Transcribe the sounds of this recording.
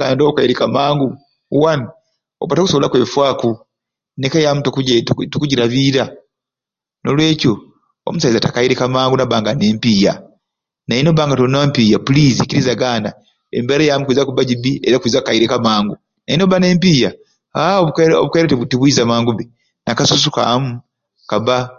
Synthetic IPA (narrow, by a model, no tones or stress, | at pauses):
ɡandoːukaiɾekamaːŋɡu | wani | oβatoku̥soβolakwe̞ːfwaːku | nekajamutokuɟtukuɟiɾaβiːɾa | no̞lwe̞ːco | o̰musaizatakaiɾekamaːŋɡunaβaːŋɡaneːmpiːja̰ | najinoβaːŋɡatonampiːjapuliːzikiɾizaɡaːna | ḛmbeɾejamukwiːzakuβaɟiβiʔeɾakiːzakukajiɾekamaːŋɡu | najinoβane̞ːmpiːja | aoβko̰βukaiɾetiβutiβwiːzamaːŋɡuβe | nakasus̬uka̰mu | kaβa